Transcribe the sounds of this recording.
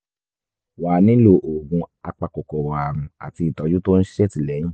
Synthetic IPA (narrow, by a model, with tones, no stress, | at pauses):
wa˨nĩ˦lo˦˨ʔo˨ɡũ˧a̰˧k͡pa˨kɔ˨kɔ˨wa˨m̩̃˨a̰˨ti˧i˨tɔ˨˦d͡ʒu˦to˦n̩˦ʃɛ˦ti˨lɛ˨˦ɲ̃ĩ˦